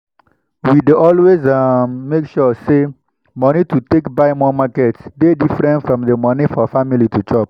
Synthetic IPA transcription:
wideʔɔlwezamːekʃɔse | mɔnitutekbaɪmɔmakɛtsdedifɹɛ̃ntfɹɔ̃mðəmɔnifɔfamilitut͡ʃɔp̚

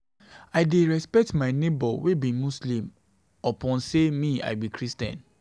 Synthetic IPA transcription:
aɪdeɹɛspɛk̚tmaɪnebɔwebĩmuslĩm | ɔpɔ̃nsemĩa̰ɪbikɹistɛ̰̃n

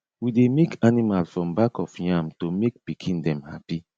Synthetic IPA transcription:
widemekanimalfɹɔ̃mbakɔfjãmtomek̚pikʰĩndɛ̃mhapi

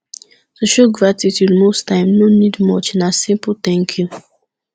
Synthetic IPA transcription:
soʃuɡɹatitʰjudmostʰãɪ̃mnonidmɔt͡ʃnasĩmpəlt̪ɛ̃ŋkʰju

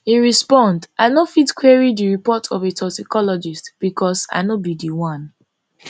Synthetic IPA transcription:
hiɹispɔ̃ndʔanofidkwiɹidiɹipɔtʰɔvetʰɔtikɔlɔd͡ʒistb̥ikʰɔsa̰ɪnɔbidiwãn

